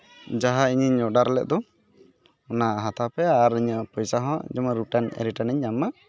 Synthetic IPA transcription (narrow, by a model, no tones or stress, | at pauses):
d͡ʒaɦaiɲəɲɔɖaɾɛlɛ̰ʔ̚d̪ɔ | ɔnaɦat̪ʰapɛaɾiɲəpɔjsaɦɔ̃d͡ʒɔməɾuʈanɛ̰ɾiʈanɛɲːama